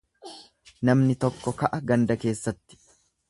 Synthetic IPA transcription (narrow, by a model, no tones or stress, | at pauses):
nɐmnɪt̪ɔkːɔkɐʔɐɡɐnd̪ɐke̞ːsːɐt̪ːɪ̥